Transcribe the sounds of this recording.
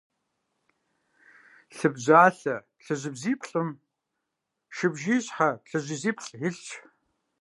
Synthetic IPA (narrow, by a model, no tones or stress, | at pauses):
ɬɨbʑaːɬɐ | ɬɨʒɪbziːpʰɬʼɨm | ʃɨbʒiːɕħaɬɨʑʷiziːpʰɬʼɪɬt͡ʃʰ